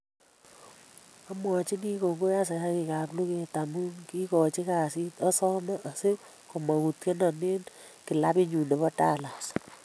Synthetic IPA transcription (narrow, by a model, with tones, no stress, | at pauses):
a˦mwa˨t͡ʃi˦ni˦ko˨ŋɡo˦ja˦s̬e˨ja˦ki˨ka˨plu˦ke˨ta˨mu˦ŋki˦kɔ˨t͡ʃi˦ka˨si˦tɔ˦sɔ˦ma˦ʔa˨se˦ | ko˨ma˨ku˨tke˦na˨me˦n | ki˨la˦pi˦ɲu˨ne˨pɔ˦ta̰˦˨la˨s